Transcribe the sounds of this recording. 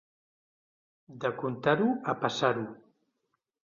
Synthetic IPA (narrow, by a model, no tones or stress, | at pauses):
d̪əkunt̪aɾuapasaɾu